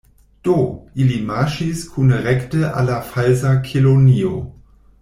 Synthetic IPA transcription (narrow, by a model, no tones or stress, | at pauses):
d̥oilimaʃiskʰunʁɛktəʔa̰lafalzakʰilonio